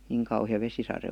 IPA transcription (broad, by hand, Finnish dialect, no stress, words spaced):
niŋ kɑuhĭjɑ ʋesisɑre